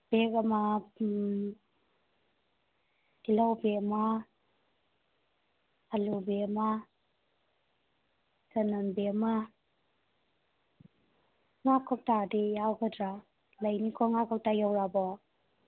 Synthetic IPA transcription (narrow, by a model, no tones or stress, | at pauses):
b̥ekama | ilawbema | alubeama | zananbeama | ŋakʰɔp̚tadejawɡədɾa | lajnikʰɔŋakʰɔp̚tajawɾabɔ